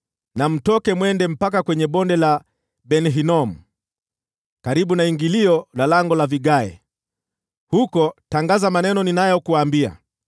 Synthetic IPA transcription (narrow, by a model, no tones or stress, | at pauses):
nam̩tɔkɛmwɛndɛm̩pak̬akwɛɲɛɓɔndɛla | ɓɛnɦinɔm̩ | kaɾiɓunaiŋɡiliɔlalaŋɡɔlaviɡaɛ̰ | hukɔtaŋɡazamanɛnɔninajɔkuwaːmbia̰